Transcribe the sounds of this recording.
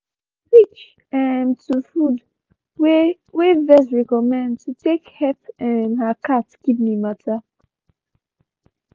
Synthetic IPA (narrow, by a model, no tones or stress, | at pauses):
pit͡ʃ | ɛ̃ntʰufud | w | wevɛsɹɛkɔmɛ̃ndtʰutekhɛtɛ̃nhakʰatɡ̥ibnimatʰa